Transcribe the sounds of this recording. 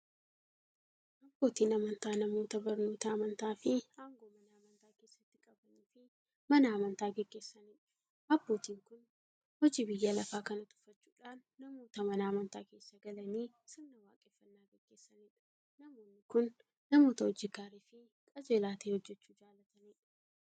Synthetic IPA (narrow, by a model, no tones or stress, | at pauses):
ʔɐbːo̞ːt̪iːnɐmɐnt̪aːnɐmo̞ːt̪ɐbɐɾnoːt̪ɐmɐnt̪aːfɪaːŋɡo̞ːmɐnaːmɐnt̪aːke̞ːsːɐt̪ːɪkʼɐbɐniːfɪ | mɐnaːmɐnt̪aːɡɛɡːe̞ːsːɐniːᶑɐ̥ | ʔɐb̥ːoːt̪iːŋkʊn | hɔd͡ʒiːbɪjːalɐfaːkɐnɐt̪ʊ̥fɐt͡ʃːuːᶑaːnːɐmo̞ːt̪ɐmɐnaːmɐnt̪aːke̞ːsːɐɡɐlɐniː | sɪmnɐwaːkʼɛfːɐnːaːɡɛɡ̥ːe̞ːsːɐneːᶑɐ̥ | nɐmo̞ːnːɪkʊnː | ɐmo̞ːt̪ɐhɔd͡ʒɪɡaːɾiːfɪ | kʼɐd͡ʒe̞ːlaːt̪eːhɔd͡ʒːɛt͡ʃːuːd͡ʒaːlɐt̪ɐneːᶑɐ